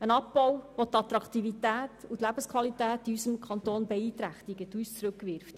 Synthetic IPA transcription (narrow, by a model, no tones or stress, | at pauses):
ənɑpːɔwʋot̪ɑt̪ɾɑkt̪ivitæːtut̪læb̥əskχʋɑlitæːtiysəmkχɑnt̪oːnbɛiːt̪ɾæχt̪iɡətyːst͡sɾɵkʋɪɾft